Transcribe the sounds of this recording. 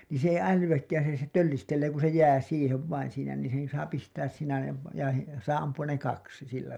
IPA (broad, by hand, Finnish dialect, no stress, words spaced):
niːn̞ se ei ælyw̥ækːæːn̞ siːnæ se tølːistelːeː ku se jæː siːheʋ ʋɑin siːnæ niːn sen sɑː pistæːs siːnæ jɑ ʋ jɑ sɑː ɑmpuɑn ne kɑksi silːæ